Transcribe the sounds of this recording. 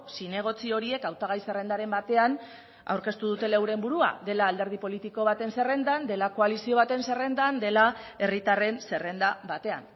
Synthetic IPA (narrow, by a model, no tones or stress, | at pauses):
sine̞ɣ̞o̞t͡sio̞ɾie̞kawt̪aɣ̞ajse̞re̞nd̪aɾe̞mbat̪e̞an | a̰wɾke̞st̪uðut̪e̞lewɾe̞mbuɾua̰ðe̞laːld̪e̞ɾð̞ipo̞lit̪iko̞β̞at̪e̞nse̞re̞nd̪and̪e̞lako̞alisio̞β̞at̪e̞nse̞re̞nd̪and̪e̞lae̞rit̪are̞nse̞re̞nd̪aβat̪e̞a̰n